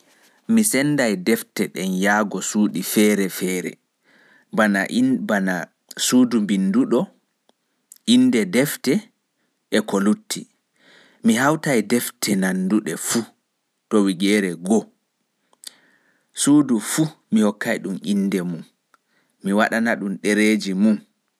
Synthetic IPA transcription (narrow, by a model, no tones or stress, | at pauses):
misɛnːdajdɛftɛɗɛnjaːɡɔsuːɗifɛɾɛfɛːɾɛ̰ | banaʔbana | suːdumbinduɗɔ | ʔindɛdɛftɛ | ɛkolutʰːi | miɦawtajdɛftʰɛnanduɗɛfu | tɔwiɡɛɾɛɡɔ | suːdufumihɔkːajɗumʔinːdɛmumː | iwaɗanaɗunɗeɾeːd͡ʒimum